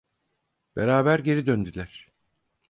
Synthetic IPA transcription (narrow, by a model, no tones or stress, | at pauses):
b̥eɾaːbæɾɟe̞ɾid̪ønd̪ylʲæɾ̥